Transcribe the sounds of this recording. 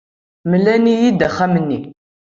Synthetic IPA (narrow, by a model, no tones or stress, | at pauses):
məlːænijid̪æχæmənːi